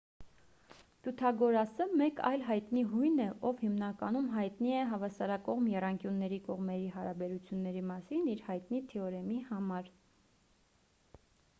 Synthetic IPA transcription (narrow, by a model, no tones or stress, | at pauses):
t̪ʰut̪ʰɑɡɔɾɑsəmɛkɑ̰jlɦɑjt̪niɦujnɛʔɔvhimnɑkɑnumɦɑjt̪niɛɦɑvɑsɑɾɑkɔʁmjɛrɑŋkjunːɛɾikɔʁmɛɾiɦɑɾɑbɛɾut͡sʰjunːɛɾimɑsiniɾhɑjt̪nit̪ʰɛɔɾɛmihɑmɑɾ